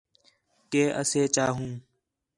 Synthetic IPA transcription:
keːʔə̰seːt͡ʃaːɦũː

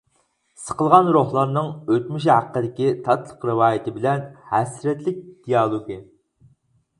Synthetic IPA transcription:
sə̥qəlˠʁɑnɾohlˠɑɾnɨŋøt̪myʃ̬hæqːəd̪ɪkʲit̪ʰɑt̪lˠə̥qɾɨwɑːjɪt̪ʰɪbɪlɛnhɛsɾɛt̪lɪk̚ʲd̪̥ijɑlˠoɡɨ

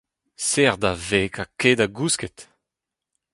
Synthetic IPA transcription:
sɛʁd̪aveːkaked̪aɡuskɛt̪

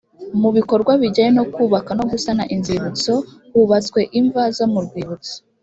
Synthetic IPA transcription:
muβiko̞ɾɡwaβiɟajeno̞kuːβakano̞ɡusanaʔinziβut͡so̞ | βuβat͡swe̞ʔiɱvazo̞muɾɡwiːβut͡si̥

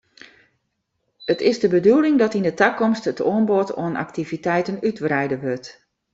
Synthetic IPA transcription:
ətʰɪzdəbədulˠɪŋdɔtindətakɔmstətʰoənboto̰əna̰ktivitɛjtənytrɛjdəʋøt

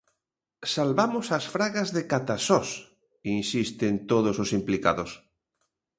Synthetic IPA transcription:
salβamʊsasfɾaɣazðekat̪asɔs | insist̪ent̪oðososimplika̰ðos

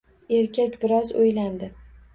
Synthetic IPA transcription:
e̞ɾkʲʰakʲbɪɾɒzojland̪ɪ

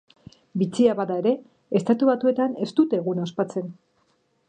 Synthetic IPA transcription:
bit͡siaβaðaeɾe̞ | est̪at̪uβat̪ue̞t̪ane̞st̪ut̪e̞ːɣunaospat͡se̞n

